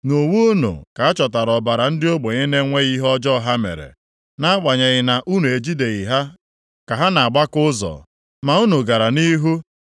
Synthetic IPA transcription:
no˨wu˦no̰˨ka˨a˦t͡ʃɔ˨ta˨ɾɔ˨ba˨ɾa˨n̩˦dɪ˦o˦ɡ͡bo˨ɲe˦ne˦ŋʷe˦ɣi˦ɦɔ˦d͡ʒɔ˦ɦa˦mḛ˨ɾḛ˨ | na˦a˦k͡pa˨ɲe˨ɣɪ˨na˨ʔu˦nu˨e˨d͡ʒi˦de˨ɣi˨ɦa˦ | ka˨ɦa˦na˨a˨ɡ͡ba˦kʊ˦zɔ̰˨ | ma˨u˦no˨ɡa˨ɾa˨ni˦ɦu˦

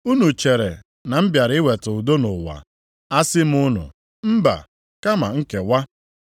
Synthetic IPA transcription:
u˦nu˨t͡ʃe˨ɾe˨ | na˨m̩˦bja˨ɾɪ˦we˨tʊ˨u˨do˦nʊ˨wa̰˨ | a˦sɪ˦m̩˦ʊ˦nʊ̰˨ | m̩˦ba̰˨ | ka˦ma̰˨ŋ̩˦ke˨wa˦

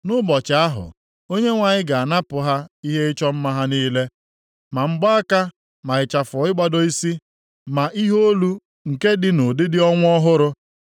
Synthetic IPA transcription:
nʊ˦bɔ˨t͡ʃa˨a˦ɦʊ̰˨ | o˦ɲe˦ŋʷa˨ɲɪ˦ɡa˨a˨na˦pʊ˨ɦa˦i˦ɦe˦ɪ˦t͡ʃɔ˦m̩˦ma˦ɦa˦niː˦le˦ | ma˨ŋ͡m̩˦ɡ͡ba˦a˦ka˦ | ma˨ɪ˨t͡ʃa˨fɔ˨ɪ˦ɡ͡ba˦dɔ˦i˦si˦ | ma˨ʔi˦ɦo˦lu˦ | ŋ̩˨ke˦dɪ˦no˨dɪ˦dɪ˦ɔ˦ŋʷ˦ɔ˦ɦʊ˦ɾʊ˦

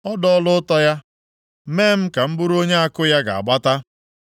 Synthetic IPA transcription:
ɔ˦dɔ˦lʊ˦ʊ˦tɔ˦ja˦ | meː˦m̩˦ka˨m̩˦bʊ˦ɾo˦ɲe˦a˦kʊ˦ja˦ɡa˨a̰˨ɡ͡ba˦ta˦

